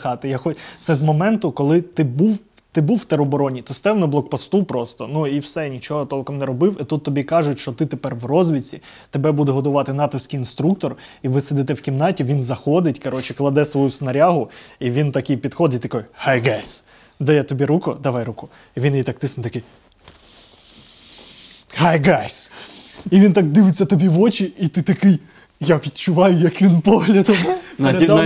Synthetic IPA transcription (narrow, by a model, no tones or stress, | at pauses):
xɑt̪ɪjaxɔt̪sɛzmɔmɛnt̪ʊkɔlˠɪt̪ɪbuw | t̪ɪbuwːt̪ɛɾɔbɔɾɔnʲit̪ʊst̪ɛwnɔblˠɔk̚pɔst̪upɾɔst̪ɔnuiwsɛnʲit͡ʃɔɦɔt̪ɔlˠkɔmnɛɾɔbɪwit̪ut̪ːɔbʲikɑʒʊtʲʃt͡ʃɔt̪ɪt̪epɛrʋrɔzʋʲit͡sʲi | t̪ebɛbud̪ɛɦɔd̪ʊʋɑt̪ɪnɑt̪ɔwsʲkiinst̪ɾuk̚t̪ɔr | iʋɪsed̪ɪt̪ɛwkʲimnɑtʲiʋʲinzɐxɔd̪ɪtʲkɐɾɔt͡ʃɪklˠɐd̪ɛsʋɔjusnɐɾʲɑɦʊiʋʲint̪ɐkɪjpʲid̪xɔd̪ɪtʲt̪ɐkɔjhajɡajsʲ | d̪ɐjɛt̪ɔbʲiɾukʊd̪ɐʋɑjɾukʊ | iʋʲinjit̪ɐk̚t̪ɪsnt̪ɐkɪj | hajɡajsʲ | iʋʲint̪ɑk̚d̪ɪʋɪt͡sʲːɐt̪ɔbʲiʋɔt͡ʃiit̪ɪt̪ɐkɪj | japʲid̪̚t͡ʃʊʋɑjʊjɐkʋʲinpɔɦlʲɐd̪ɔmp̪ɾɐd̪